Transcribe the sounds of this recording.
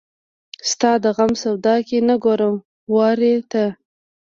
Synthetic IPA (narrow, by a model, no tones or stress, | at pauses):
st̪ɑd̪əɣamsawd̪ɑkenaɡoɾəm | wɑɾet̪a